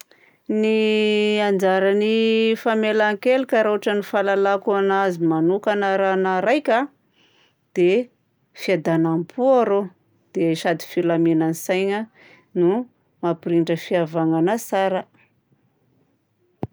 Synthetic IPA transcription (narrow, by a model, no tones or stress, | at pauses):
niand͡ʒaɾanifamelaŋkelikʲəɾoaʈ͡ʂənifalalakuanazimanukanaɾanaɾajkʲa | d̪̥e | fiad̪anampʰuaɾo | d̪̥eʃad̪i̥filamenanisajɲə | nu | mapiɾiɳʈ͡ʂəfiavaŋanasaɾə